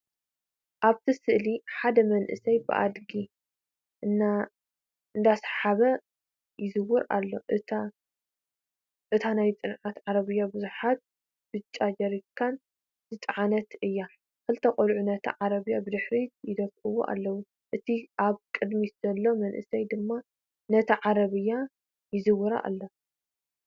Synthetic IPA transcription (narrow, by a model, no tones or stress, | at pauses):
ʔaβt̪ʰisɨʔliħad̪ɐmɐnʔɨ̰sɐjbɨ̰ʔa̰d̪ɡi | ʔɨna | ɨnd̪asħaβɐ | jɪzɨwʊɾa̰lːo̞ʔɨt̪ʰa | ʔɨt̪ʰanajt͡sʼɨnʕat̪ʕaɾɐβɨjːabɨzuħat̪̚ | b̥ɨt͡ʃʼad͡ʒɐɾikʰːan | z̥ɨt̪ʼʕanɐt̪ɨjːa | kʰɨlt̪ʰɐkʼɐlʕunɐt̪ʰɐ̰ʕaɾɐβɨjːabɨd̪ɨħɾijɪd̪ɐkʼːɨwo̰ʔa̰lːɐwu | ʔɨt̪ʰiʔaβkʼɨd̪miz̥ɐlːo̞mɐnʔɨ̰sɐjd̪ɨmːa | nɐt̪ʰɐʕaɾɐβɨjːa | jɪzɨwʊɾa̰ʔa̰lːo